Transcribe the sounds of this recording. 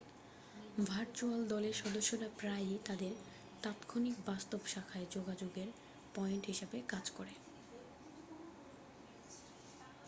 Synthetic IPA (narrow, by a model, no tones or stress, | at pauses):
bʱaɾt͡ɕuald̪ɔleɾʃɔd̪oʃːoɾapɾajt̪ad̪eɾ | t̪at̪kʰonikbast̪obʃakʰaed͡ʑoɡad͡ʑoɡeɾ | pɔeɳʈɦiʃabekad͡ʑkoɾe